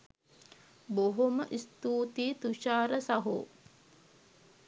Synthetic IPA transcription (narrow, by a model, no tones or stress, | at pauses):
boɦoməʔist̪uːt̪iːt̪uʃaːɾəsaɦṵ